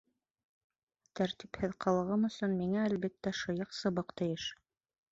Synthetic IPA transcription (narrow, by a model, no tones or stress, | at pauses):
t̪æɾt̪iphɘðqʰɑlˠɤ̆ʁɤmɵ̆sɵnmiŋæːlβit̪ːæʃŏjɤqsɤ̆βɤqt̪ɘ̆jɘʃ